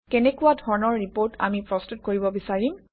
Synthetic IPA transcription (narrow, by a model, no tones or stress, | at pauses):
kɛnɛkʊwadʱɔɹɔnɔɹːipoɹtʰa̰mipɹɔstut̚koɹibɔbisaɹim